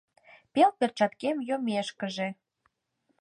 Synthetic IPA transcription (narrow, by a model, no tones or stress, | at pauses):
pelpert͡ɕɑt̪kemjomeʃkəʒe